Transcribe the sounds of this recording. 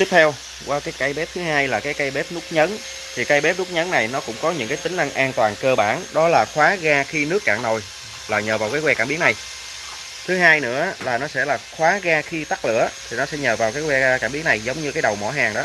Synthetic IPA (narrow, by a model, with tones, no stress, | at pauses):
i˦˥ət̪ʰɛ˧w | kwaː˧kaː˨˦jka˧˩jɓe˦˥p̚t̪ʰɨ˨˦haː˧jlaː˨˩kaː˨˦jka˨˦jɓe˦˥p̚nʊ˦˥k͡p̚ɲə˨˦n | t̪ʰi˨˩ka˧jɓe˦˥p̚nʊ˦˥k͡p̚ɲə˨˦nna˨˩jnɔ˨˦kʊ̰˧˥ŋ͡mkɔ˨˦ɲɨ̰˧˥ŋkaː˨˦t̪ï˦ŋ̟ʔa˧ŋʔaː˧nt̪waː˨˩nkəː˧ɓaː˧˩nɗɔ˨˦laː˨˩xwaː˨˦ɣaː˧xi˧nɨ˦˥əkːaː˧˩ŋo˨˩j | laː˨˩ɲəː˨˩vaː˨˩wkaː˨˦jwɛ˧kaː˧˩mɓi˨˦əŋna˨˩j | t̪ʰɨ˨˦ɦaː˧jnɨ̰˧˥ə˦laː˨˩nɔ˨˦sɛ̰˧˥˩laː˨˩xwaː˨˦ɣaː˧xi˧t̪a˦˥k̚lɨ̰˧˨ət̪ʰi˨˩nɔ˨˦sɛ̰˧˥ɲəː˨˩vaː˨˩wkaː˨˦jkwɛ˧kaː˧˩mɓi˨˦əŋna˨˩jzə˨˦wŋ͡mɲɨ˧kaː˨˦jɗə˨˩wmɔ̰˧˩ɦaː˨˩ŋɗɔ˨˦